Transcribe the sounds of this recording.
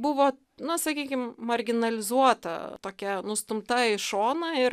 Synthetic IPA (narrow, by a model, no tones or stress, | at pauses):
bʊʋoː | nʊsɐkʲiːkʲɪmmɐɾʲɡʲɪnɐlʲɪzuɔt̪ɐ̰t̪oːkʲɛnʊst̪ʊmt̪ɐɪʃoːnɐɪɾ